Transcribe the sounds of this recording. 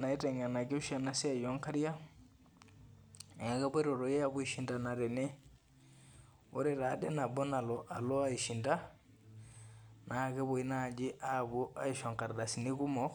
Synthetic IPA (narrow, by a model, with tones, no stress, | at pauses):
na˨i˦te˨ŋɡa˨na˨ki˦ʃana˦si˦a˦˨jɔ˦ŋka˦ɾi˦ja˦˨ | a˨ka˦bɔ˦ɾo˨ɾo˨jɛ˦abu˦i˨ʃi˦nda˨na˨ɾɛ˨nɛ˦ | o˦ɾɛɾa˨dɛ˦na˨bɔ˦na˨lɔ˨ʔa˨lo˦a˦iʃi˨nda˦ | na˨ke˦bo˨i˦na˦˨d͡ʒi˦ʔa˦bu˦ʔa˦iʃɔ˨ŋka˨ɾda˨si˨ni˦ku˦mɔ˦